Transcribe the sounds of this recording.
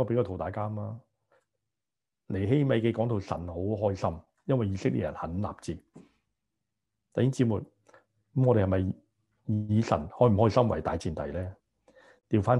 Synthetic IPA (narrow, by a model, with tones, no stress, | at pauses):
ɔː˨˧pe˨˥jkaː˧t̪ʰo˨˩wt̪aː˨kaː˥maː˧ | le˨˩jɦe˥jme˨˧jkɛ˧kɔː˨˥ŋt̪ʰo˨wsɐ̰˨˩nho˨˥wɦɔː˥jsɐ˥m | jɐ˥nwɐ˨jːiː˨˧sɪ˥k̚lḭ˨t̚jɐ̰˨˩nhɐ˨˥nla̰ː˨p̚t͡siː˨˧ | t̪ɐ˨jhɪ˥ŋt͡si˨˥muː˨j | mŋɔː˨˧ɾe˨hɐ˨jmɐ˨˩j | jiiː˨˧sɐ̰˨˩nhɔː˨˥m̩˨˩hɔː˥jsɐ˥mwɐ˨˩jt̪aː˨jt͡siː˨nt̪ɐ˨˩jlɛː˥ | t̪iː˨˧wfaː˥n